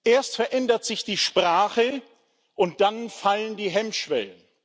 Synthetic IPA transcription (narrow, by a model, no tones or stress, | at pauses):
ʔeːɐstfɛɐʔɛndɐtz̥ɪçd̥iːʃpʁ̥aːχə | ʔʊnt̚d̥anfaləndiːɦɛmʃv̥ɛ̰lən